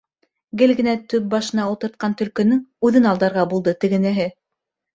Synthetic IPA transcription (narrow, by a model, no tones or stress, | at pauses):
ɡɘlɡɘ̆næt̪ɵp̚bɑʃɤ̆nɑulˠt̪ɤ̆ɾt̪̚qɑnt̪ɵ̆lkɵ̆nɘŋʉðɘnɑlˠd̪ɑɾʁɑbulˠd̪ɤt̪ɘ̆ɡɘ̆næɦɘ